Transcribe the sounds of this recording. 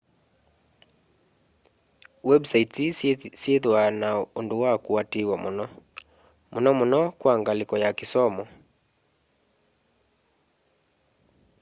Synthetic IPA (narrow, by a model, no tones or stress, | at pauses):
wɛbsaitisieðwanaunduwakuatiwamunɔ | munɔmunɔkwaŋɡalikɔjakisɔmɔ